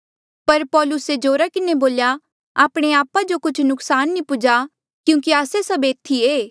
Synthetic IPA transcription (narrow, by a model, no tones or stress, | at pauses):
pɐɾpɔːlʊsed͡ʒoːɾakɪneboːlja | aːpɽ̃eaːpad͡ʒokʊt͡ʃʰnʊksaːnːĩpʊd͡ʒa | kjũːkiaːsesɐbeːt̪ʰːieː